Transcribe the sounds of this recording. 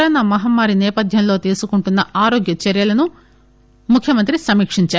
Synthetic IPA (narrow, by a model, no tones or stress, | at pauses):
ɾɐnɐmɐɦɐmːaːɾinɛːpɐd̪ʱjɐmlo̞ːt̪eːsukuɳʈunːɐʔaːɾo̞ːɡjɐt͡ʃɐɾjɐlɐnu | mukʰjɐmɐnt̪ɾisɐmiːkʂiɲt͡ʃaː